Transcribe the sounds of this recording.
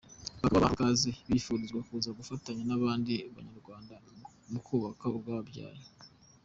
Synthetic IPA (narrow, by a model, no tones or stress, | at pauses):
aβaβa̰kaziβifuɾizɡwakuːzaɡufataɲanaβaːndiaβa̰ɲaɾɡwaːnda | mukuːβakaubɡabja̰ːje